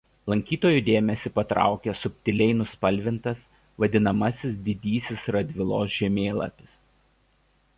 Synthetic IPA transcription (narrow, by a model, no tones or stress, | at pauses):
lˠɐŋʲkʲiːt̪oːjud̪ʲeːmʲɛsʲɪpɐt̪ɾɑ̰ˑʊkʲɛsʊpʲt̪ʲɪlʲɛɪnʊspɐlʲʋʲɪnt̪ɐs | ʋɐd̪ʲɪnɐmɐsʲɪsd̪ʲɪd̪ʲiːsʲɪsɾɐd̪ʲʋʲɪlˠo̰ːsʒʲɛmʲeːlˠɐ̰pʲɪ̥s